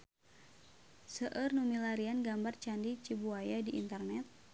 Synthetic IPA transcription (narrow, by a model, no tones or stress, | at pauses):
səʔərnumilaɾianɡambart͡ʃandit͡ʃibuajadiʔːnt̪ərnɛt̪̚